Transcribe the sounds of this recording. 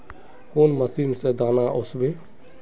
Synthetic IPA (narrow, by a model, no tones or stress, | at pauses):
konməsimsed̪aːnaʔʊsbeː